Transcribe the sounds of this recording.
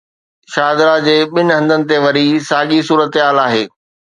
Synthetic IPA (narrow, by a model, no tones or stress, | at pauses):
ʃaːd̪ɾad͡ʑeːɓɪnɪɦɐ̃nd̪ənɪ̆t̪̬eʋɐɾisaːɠisuːɾət̪ɪɦaːlaːɦeː